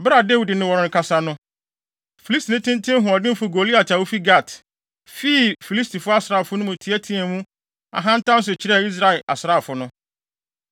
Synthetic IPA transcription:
bɾa˨de˦wi˨dɪ˨nɪ̃˦wɔ˨ɾʊ̃˨˦ŋ̩˨˦kʰa˦sa˦nʊ̃˦ | fi˨li˦sti˨nɪ̃˦tɪ̃˦n˦tʰɪ̃˦m˦ɦʊ̃˨ɔ˨dɪ̃˦fʊ˨ɡo˨li˦a˨tʰa˨wo˦fi˦ɡa˦˨tʰ | fi˦˨fi˨li˦stʰi˨fʊ˦a˦sɪ˨ɾa˨fʊ˦nʊ̃˦mʊ̃˨tʰi˨˦ɛ˦tʰĩ˦ɛ˨mũ˦ | a̰˨ɦã˦n̩˦tʰã˦n˦s̬ʊ˨t͡ɕʰɪ˨ɾɛ˦˨i˦s̬ɾa˨ɛ˨la̰˨sɾa˦˨fʊ˨˦nʊ̃˦

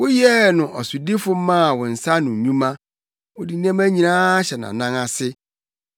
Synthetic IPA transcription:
wʊ˦jɛ˦nʊ̃˨ʔɔ˨sʊ˨di˦fʊ˦mã˦˨wɔ̃˨n̩˨sa˦nʊ̃˨ũ˦mã˦ | wʊ˨di˨nã˦mæ˦ɲĩ˨nãː˦ɕɛ˨nã̰˨nã˦ŋa˨sɪ˦

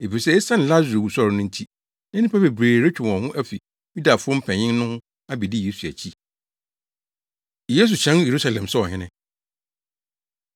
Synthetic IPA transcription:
e˨fi˨sɛ˦ɛ˦sã˦n˨la˦zu˨ɾo˨bu˨sɔ˦ɾnʊ̃˦n̩˦tʰi˦ | nɛ̃˦nɪ̃˦pʰa˦be˨bɾeː˨ɾe˦t͡ɕᶣʊ˨m˨ɔ̃˨hʊ̃˦ʔæ˦fi˨ | ju˦da˨fʊ˦ɔ̃˦m̩˦pʰɛ̃˨ɲɪ̃˦n˦nʊ̃˦hʊ̃˦ | a˦bi˨di˦je˨˦su˨æ̰˨t͡ɕʰi˦˨ | je˦s̬u˨t͡ɕʰɛ̃˦je˨ɾu˦sa˨lɛ̃˨msɔ˦ɔ˨ɦɪ̃˦nɪ̃˦

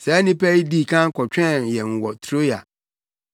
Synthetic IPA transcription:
sɛ˨˦nɪ̃˦pʰɛ˦i˦di˦˨kʰã˦ŋ̩˦kʰɔ˨t͡ɕᶣɛ̃˦jɛ̃˨ŋ̩˨wɔ˨tʰɾo˦ja̰˨

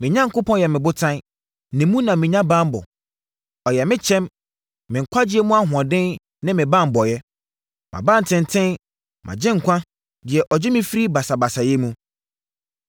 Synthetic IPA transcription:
mɪ̃˨ɲã˦ŋ̩˨kʊ˦pʰɔ̃˦jɛ˨mɪ̃˨bʊ˦tʰã˦n˦ | nɪ̃˨mũ˦nã˨mɪ̃˨ɲã˦bã˦m˦bɔ̰˨ | ɔ˨jɛ˨mɪ̃˦t͡ɕʰɛ̃˦mː | ɪ̃˨ŋ̩˨kʷʰa˦d͡ʑɪ˦ɛ˦mũ˦a˦ɦʊ̃˨ã˨dɪ̃˦n | nɪ̃˦mɪ̃˨bã˦˨m˨bɔ˨jɛ˦ | mʔã̰˨bã˦n̩˨tʰɪ̃˨n˨tʰɪ̃˦n | mʔã̰˨d͡ʑɪ̃˦ŋ̩˨kʷʰã˦ | dɪ˨ɛ˨ʔɔ˨d͡ʑɛ˦mɪ̃˦fi˦ɾi˦ba˨sa˨ba˨sa˨jɛ˦mũ˦

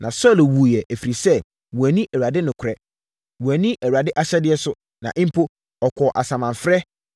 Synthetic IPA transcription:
nʔã̰˨sɔ˦˨lwu˨jɛ˨ʔæ˨fi˨ɾi˨sɛ˦˨ | wu˨æ˨nĩ˦ʔɛ˨wu˨a˨dɪ˦nʊ̃˨kʰʊ˨ɾɛ˦ | wu˨æ˨nĩ˦ʔæ˨wa˨dɪ˦ʔa˦ɕɛ˦dɪ˨ɛ˦sʊ˦ | nã̰˨ʔɪ̃˦m̩˦pʰo˦ | ɔ˨kʰɔ˨ʔa˨sã˨mã˨ɱ˨fɾɛ˦

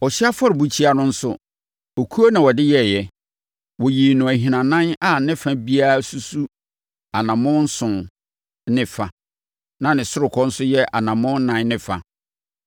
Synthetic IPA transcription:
ɔ˨ɕi˦a˦fɔ˦ɾbu˦t͡ɕʰi˦a˦nʊ̃˦n̩˦sʊ˦ | o˨kʰu˦o˦nã˨wɔ˨dɪ˦jɛ˦˨jɛ˨ | wɔ˨ji˨nʊ̃˨æ˨ɦĩ˨nã˨nã˦na˦˨nɪ̃˦fã˦bi˦a˦su˦su˦ | a˨nã˨mʊ̃˦n̩˦sʊ̃˨n | nɪ̃˨fa˨ | nã˨nɪ̃˨sʊ˦ɾʊ˨kʰɔ˦n̩˦sʊ˦jɛ˦ʔa̰˨nã˨mʊ̃˦n̩˦nːã˦nnɪ̃˦fa̰˨

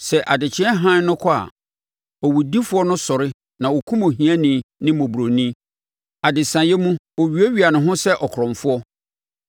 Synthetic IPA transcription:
sɛ˨ʔa˨dɪ˨t͡ɕʰɪ˦ɛ˦ɦã˦n˦nʊ̃˦kʰɔ˦a̰˨ | ɔ˨wu˨di˦fʊ˦ɔ˦nʊ̃˦sɔ˨ɾɪ˦ | nã˨wo˨kʰũ˦mõ˨ɦĩ˨˦ã˦nĩ˨nɪ̃˦mõ˨bu˨ɾo˨nĩ˦ | a˨dɪ˨sã˨jɛ˦mũ˦ | o˨ɥi˨e˦ɥi˨a˨nʊ̃˨ɦʊ̃˦sɛ˦ʔɔ˨kʰɾɔ̃˨ɱfʊ˦ɔ˦

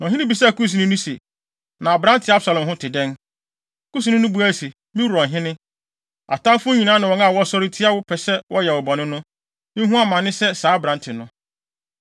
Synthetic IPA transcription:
nɔ̃˨ɦɪ˦nɪ̃˦bi˨sɛ˦˨ku˦s̬u˨nɪ̃˦nũ˦se˨ | nã˨bɾã˦ntʰɪ˨a˦bsa˨lɔ̃˨m˨ɦʊ̃˦tʰɪ˨dɛ̃˦n˨ | kʰu˦s̬i˨nɪ̃˦nʊ̃˦bu˨æ˦˨se˨ | mĩ˦wɔ̃˨ɦɪ̃˦nɪ̃˦ | a̰˨tʰã˦fʊ˦ɲĩ˨nã˦nã˨wɔ˨˦a˦˨wɔ˦sɔ˦ɾɪ˦tʰi˦a˦wʊ˦pʰɛ˨sɛ˦wʔɔ˦jɛ˨wɔ˨bɔ˨nɪ̃˦nʊ̃˦ | mĩ˦ɦũ˦a˦mã˨nːɪ̃˦sɛ˦saː˨˦bɾã˨˦ntʰɪ˨nʊ̃˦

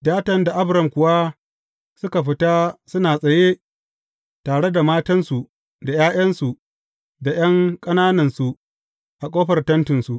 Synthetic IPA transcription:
daː˦tɐ˨nda˨ʔa˦bɾɐ˨mkʷʊ˨wa˦ | sʊ˦ka˨ɸɪ˦ta˦sʊ˦naː˨sʼɐ˨je˦ | taː˨ɽe˦da˨maː˦tɐ˦nsu˨ʔ | da˨jaː˦j̰ɐ˦nsu˨ʔ | da˨j̰ɐ˦ŋkʼɐ˦naː˦nɐ˨nsu˨ | ʔa˨kʼoː˦ɸɐ˨rtɐ˦ntɪ˨nsu˨ʔ

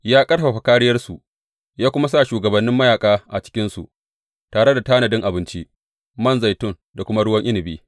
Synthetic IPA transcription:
jaː˦kʼɐ˦ɽɸa˨ɸa˨kaː˦ɽɪ˦jɐ˦rsu˨ʔ | jaː˦kʷʊ˦ma˦sa˦˨ʃuː˨ɡɐ˨bɐ˨nːɪ˦mːɐ˦jaː˨kʼaː˦ʔa˨t͡ʃɪ̥˦kʲɪ˦nsṵ˨ʔ | taː˨ɽe˦da˨taː˦nɐ˨dɪ˦ŋʔa˨bɪ˦nt͡ʃi˦ | mɐ˦nza˨jtʊ˦˨n | da˨kʷʊ˦ma˦ɽʊ˦wɐ˦ŋʔɪ˦lɪ˨biː˦

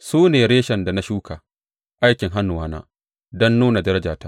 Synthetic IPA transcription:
suː˦neː˨ɽeː˦ʃɐ˨nda˨na˦ʃuː˦kʰaː˨ | ʔa˦jkʲɪ˨ŋɦa˦nːʊ˨waː˦na̰ː˦ | dɔ˦nːuː˦na˨dɐ˦ɾɐ˦d͡ʒaː˨taː˦

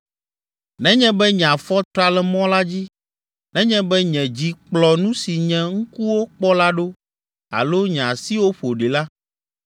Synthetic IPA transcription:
nɛ̃˦ɲɛ̃˦bɛ˦ɲ˨ã˨fɔ˦t̪ɾa˦lɛ˨mɔ̃˦la˦d͡ʑi˦ | nɛ̃˦ɲɛ̃˦bɛ˦ɲɛ̃˨d͡ʑi˨k͡plɔ˨nũ˦si˨ɲɛ̃˨ŋ̩˦ku˦wo˦k͡pɔ˦la˦ɖo˦ | a̰˨lo˦ɲ˨ã˨si˦wo˦ɸo˨ɖe˨la˦

